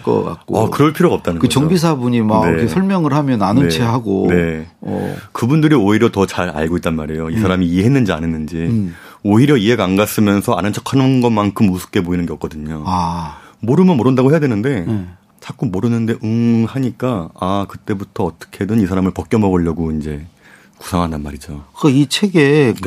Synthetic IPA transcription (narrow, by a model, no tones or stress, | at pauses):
k͈ʌ̰k͈a̰k͈oakɯɾʌɭpʰiɾoɡaʌp̚t͈anɯnŋkɯʌt͡ɕʌŋbis̬ʰabuɲimakneesʰʌɭmjʌŋɯɭhamjʌnanɯeeɦaɡo̰ne̞̰ | kɯbundɯɾioiɾjʌtʌt͡ɕaɾa̰ɭɡoit͈̚anmaɾe̞joisʰaɾamiːe̞ɦenːɯnd͡ʑia̰nenːɯnd͡ʑi | oiɾjʌie̞ɡaŋɡas͈ɯmjʌnsʰʌa̰nɯnt͡ɕʰʌkʰanɯnɡʌmankʰɯmːusʰɯ̥p̚k͈e̞poinɯnɡe̞k͈ʌdɯɲoamoɾɯmɯmoɾɯndaɡoɦejadwe̞nɯnde̞ | t͡ɕak͈umoɾɯnːɯnde̞ʔɯŋhaɲik͈aakɯt͈e̞butʰʌːt͈ʌ̥kʰe̞dɯnis̬ʰaɾamɯɭpʌk͈jʌmʌɡɯʎːʌɡoind͡ʑe̞ | ku̥sʰaŋɦandanmaɾid͡ʑokait͡ɕʰe̞ɡe̞